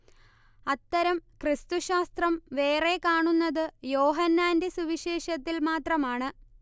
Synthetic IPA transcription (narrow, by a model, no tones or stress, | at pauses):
ɐt̪ːɐɾɐmkrɨst̪uɕaːst̪rɐmʋe̞ːre̞kaːɳunːɐðɨjo̞ːɦɐnːaːnde̞suʋiɕe̞ːɕɐt̪ːilmaːt̪rɐmaːɳɨ